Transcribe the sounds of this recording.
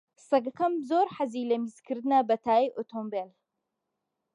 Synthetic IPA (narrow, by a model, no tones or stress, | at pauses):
sɐɡɐkɐmzoɾħaziːlɐmizkʰɨɾd̪ɨnɐbɐt̪ʰaːiʔot̪ʰombel